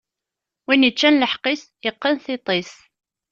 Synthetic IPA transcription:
winət͡ʃːænləħqis | jəqːənθit̪ˤes

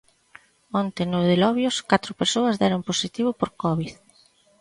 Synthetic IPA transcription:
ɔnt̪enʊðelɔβjʊskat̪ɾʊpeɾsoɐzðɛɾomposit̪iβʊpoɾkɔβið

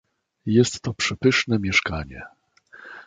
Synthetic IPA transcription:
jɛst̪ːɔpʂɛpɘʂnɛmʲjɛʂkaɲɛ̰

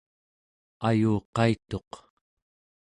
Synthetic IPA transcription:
ajuːqɑit̪o̞q

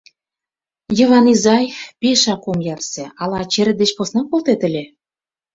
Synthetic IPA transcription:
jɤ̆vɑnizɑjfpeʃɑkomjɑrsĕɑlɑt͡ɕeɾʲɘ̆d̪et͡ɕposnɑkolˠt̪et̪ɘ̆lʲĕ

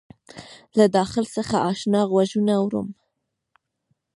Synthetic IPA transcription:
lad̪ɑxɪlsəxaʔɑʃnɑɣwaʒunawɾṵm

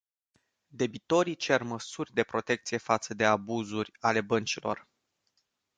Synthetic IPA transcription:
d̪e̞bit̪o̞ɾit͡ʃe̞rməsurʲd̪e̞pɾo̞t̪e̞k̚t̪sije̞fat̪səd̪e̞abuzurʲale̞bənt͡ʃilo̞̰r

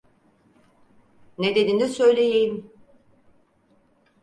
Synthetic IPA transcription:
ned̪ed̪inisø̞jlʲejejim

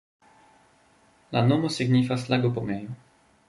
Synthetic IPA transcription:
lanomosiɡnifaslaɡopomejo

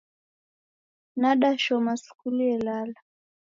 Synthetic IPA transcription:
naɗaʃɔmasu̥kuliɛlala

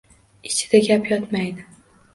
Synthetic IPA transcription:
ɪt͡ʃʰɪ̥d̪̥aɡʲapjɒt̪majd̪ɪ

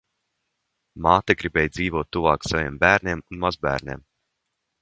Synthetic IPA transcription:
maːt̪aɡɾibɛːjd̪ziːvuɔt̪ːuvaːksavʲeːmbæːɾnʲeɛmunmazbæ̰ːɾnʲḛːm

